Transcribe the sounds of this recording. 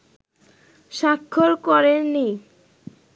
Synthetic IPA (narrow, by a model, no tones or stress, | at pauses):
ʃakʰːoɾkɔɾenːi